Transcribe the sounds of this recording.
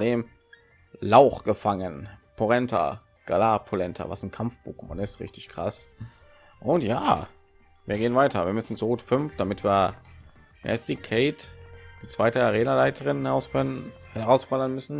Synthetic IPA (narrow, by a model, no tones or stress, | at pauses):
deːm | laʊχɡ̥əfaŋənpʰoʁɛntʰɐ̰ | ɡ̥alaːpʰolɛntʰɐ̰va̰sn̩kʰamfb̥uːkma̰nɪstʁɪ̰çtɪçkʁ̥a̰s | ʔʊntja̰ː | viːɐɡeːənvaɪtʰɐviːɐmʏsn̩t͡suʁuːtfʏnfd̥amɪtv̥iːɐ | mʔɛ̰stikʰeɪtɪt͡sv̥aɪtɐaʁeːnalaɪtʰəʁɪnhɛʁaʊsfhɛʁaʊsfalɐnmʏsn̩